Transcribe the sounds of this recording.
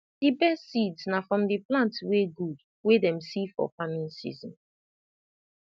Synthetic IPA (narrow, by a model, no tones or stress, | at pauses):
d̥ibɛstsidsnafɹɔ̃mdiplãntweɡud | wedɛ̃msifɔ̰famĩnsḭzɔ̰̃n